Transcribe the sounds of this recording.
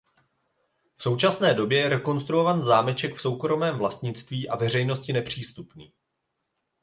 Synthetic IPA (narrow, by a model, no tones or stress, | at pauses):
fso̞wt͡ʃasnɛːdo̞bjɛjɛɾɛko̞nst̪ɾuo̞vanzaːmɛt͡ʃɛkfso̞wkɾo̞mɛːmvlast̪ɲɪt͡st̪viːʔavɛr̝ɛjno̞scɪnɛpr̝̥iːst̪upniː